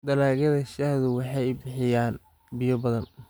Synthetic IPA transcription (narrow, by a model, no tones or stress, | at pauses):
d̪ɐlaːɣɐðɐʃɐhðʊwɑħɑjbɪħɪjaːn | bɪjɔbɐðɐn